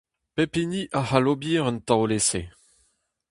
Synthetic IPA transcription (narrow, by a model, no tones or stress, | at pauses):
pepiniʔahalobiːʁənt̪awlese